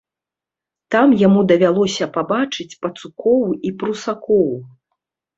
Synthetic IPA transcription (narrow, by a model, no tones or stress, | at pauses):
t̪amjamud̪ɐvʲalˠɔsʲɐpabat͡ʂɨt͡sʲpɐt̪sukɔwipɾusakɔw